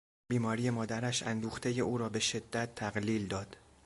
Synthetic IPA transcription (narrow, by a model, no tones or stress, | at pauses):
biːmɒːɾiːje̞mɒːd̪æɾæʃæ̰nd̪uːxt̪ʰeje̞uːɾɒːbe̞ʃe̞d̪ːæt̪ʰːæɣliːld̪ɒːd̪̥